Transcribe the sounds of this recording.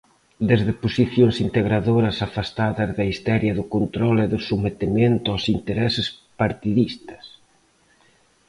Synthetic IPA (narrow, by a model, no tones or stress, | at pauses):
d̪ezðɪposiθjoŋsint̪eɣɾaðoɾɐsafast̪aðɐzðɐist̪ɛɾjɐðʊkont̪ɾɔleðʊsumet̪ement̪ʊawsint̪eɾɛsɪspaɾt̪iðist̪ɐ̥s